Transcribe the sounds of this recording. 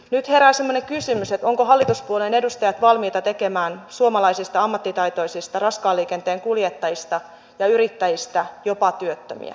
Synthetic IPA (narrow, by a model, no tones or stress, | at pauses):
nyt̪heɾæsemːoneŋkysymyset̪oŋkoɦɑlːit̪uspuolene̞dust̪ɑjɑt̪ʋɑlmiːt̪ɑt̪ekemæːnsuomɑlɑisist̪ɑɑmːɑt̪ːit̪ɑit̪oisist̪ɑrɑskɑːlːiːkent̪eːŋkuljet̪ːɑjist̪ɑ | jɑyrit̪ːæjist̪æjopɑt̪yøt̪ːø̰mḭæ̰